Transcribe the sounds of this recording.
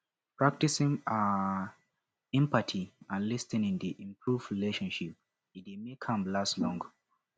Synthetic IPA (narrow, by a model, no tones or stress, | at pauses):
pʰɹ̥ak̚tisĩŋa | ɛ̃mpatʰiãnlistĩnĩndiʔĩmpʰɹuvɹileʃɔ̃nʃip̚ | it̚emekʰãmlastlɔ̃ŋɡ